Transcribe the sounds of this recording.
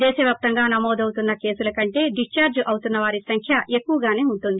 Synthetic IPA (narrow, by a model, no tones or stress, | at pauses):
d̪ɛːʃɐʋʲjaːp̚t̪ɐŋɡaːnɐmoːd̪ɐwut̪unːɐke̞ːsulɐkɐɳʈe̞ːɖist͡ʃaːɾd͡ʒʔɐwut̪unːɐʋaːɾisɐŋkʰjɐʔe̞kːuʋɐɡaːne̞ːuɳʈund̪i